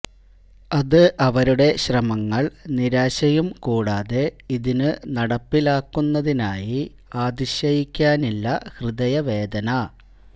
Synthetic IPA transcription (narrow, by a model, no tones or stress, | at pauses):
ɐðɨʔɐʋɐɾuɽe̞ɕrɐmɐŋːɐɭniɾaːɕɐjumkuːɽaːðe̞iðinɨnɐɽɐpːilaːkːunːɐðinaːji | aːd̪iɕjɐjikʲːaːnilːɐhrɨd̪ɐjɐʋe̞ːd̪ɐnɐ